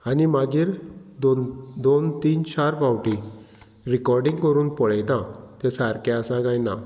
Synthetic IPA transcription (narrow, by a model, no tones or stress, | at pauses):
animaɡiːɾd̪od̪ont̪iːnt͡ɕaɾbawʈi | ɾikɔɾɖĩŋɡkəɾuːnpɔɭajd̪ãk̪ɛ̃saɾkɛəsãɡajna̰